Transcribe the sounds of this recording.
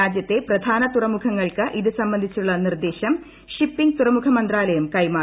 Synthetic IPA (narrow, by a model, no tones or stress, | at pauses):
aːd͡ʑjɐt̪ːe̞prɐd̪ʱaːnɐt̪urɐmukʰɐŋːɐɭkɨʔiðɨsɐmbɐnd̪ʱit͡ɕːuɭːɐnird̪e̞ːɕɐm | ʂipːiŋɡt̪urɐmukʰɐmɐnd̪raːlɐjɐmkɐjmaː